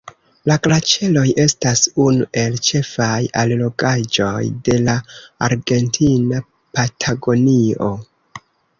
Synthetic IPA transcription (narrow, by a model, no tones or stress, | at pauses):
laklat͡ʃe̞lo̞jʔe̞stasunuʔe̞lt͡ʃe̞fajallo̞ɡad͡ʒo̞jde̞laaɾɡe̞ntʰina | patʰaɡo̞nio̞